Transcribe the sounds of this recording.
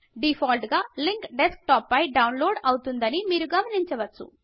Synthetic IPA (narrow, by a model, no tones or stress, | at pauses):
ɖipʰɔːlʈɡaːliŋkɖesk̚ʈɔːpːɐjɖɐwnloːɖɐwut̪und̪ɐnimiːɾuɡɐmɐniɲt͡ʃɐʋɐt͡ʃːṵ